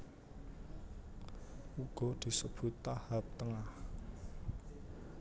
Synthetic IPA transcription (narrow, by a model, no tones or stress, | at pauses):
uɡ̥ɔ̤d̪̥i̤səb̥ṳt̪ːahap̚t̪əŋah